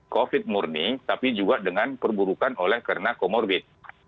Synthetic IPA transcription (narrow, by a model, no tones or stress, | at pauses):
kofɪt̪̚murniŋt̪apid͡ʒuɡadəŋanpərbuɾukanolɛhkərənakomɔrbɪt̪̚